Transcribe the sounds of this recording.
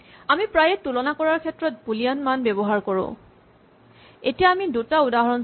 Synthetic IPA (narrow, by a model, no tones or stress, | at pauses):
amipɹajɛtulɔnakɔɹaɹkʰɛtːɹɔt̚bulijanmanbɛbɔɦaɹkɔɹʊ̰̃ | etijaːmidutaudaɦɔɹɔn